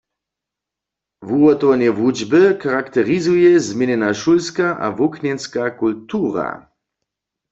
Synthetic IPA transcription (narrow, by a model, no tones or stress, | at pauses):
vuɔt̪ɔvanɛvud͡ʒbɨkaʁakt̪ɛʁizujɛzmʲjɛnɛnaʃulskaʔa̰vuknɛnskakult̪uʁa̰